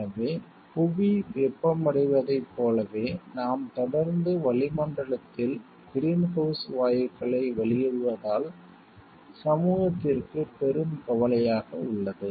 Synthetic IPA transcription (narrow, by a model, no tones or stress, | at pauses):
ɐʋeː | pʊʋiʋɛpːɐmɐɽɪʋɐðɐɪpːoːlɐʋeːnaːmt̪ɔɽɐɾnd̪ɯʋɐɭɪmɐɳɖɐɭɐt̪ːɪl | ɡ̥ɪɾiːnhɐʊsʋaːjɐkːɐɭɐɪʋɐɭɪjɛɻɯʋɐðaːl | sɐmuːɣɐt̪ːɪrkɯpɛɾɯmkɐʋɐlɐjaːɣɐʊɭːɐðɯ